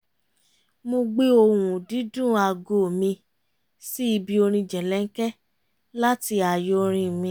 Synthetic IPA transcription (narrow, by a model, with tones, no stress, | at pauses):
mo˧ɡ͡be˦o˧wũ˨di˨˦dũ˦˨a˧ɡo˨mĩ˧ | si˦i˧bi˧o˧ɾ̃ĩ˧d͡ʒɛ˨lɛ˨˦ŋ̩˦kɛ˦ | la˦ti˧a˨jo˧ɾ̃ĩ˧˨mĩ˧